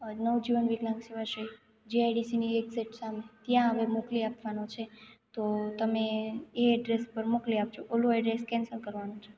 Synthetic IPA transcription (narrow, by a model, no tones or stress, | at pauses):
nəʋd͡ʒiʋənʋiɡlãŋɡʃeʋaʃəi | d͡ʒeajɖisinieɡzeʈsamet̪jãɦəʋeɾmokliapʋanot͡ʃʰet̪ot̪əmeeɛɖɾespəɾmokliap̚t͡ʃʰoʔoloɛɖɾeskɛ̃nsəlkəɾʋanõt͡ʃʰe̥